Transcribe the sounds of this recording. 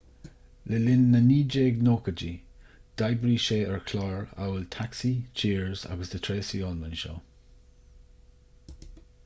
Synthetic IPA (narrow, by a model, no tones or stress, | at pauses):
ləlɪnːəniːd͡ʒeːɡnoːkəd͡ʒi | d̥ajbɹiːʃeːəɹkʰlaːɹa̰wəltʰaksit͡ʃʰiːɹza̰ɡəsd̪ət̪ʰɹeːsiːɔlmənʃɔ̰ː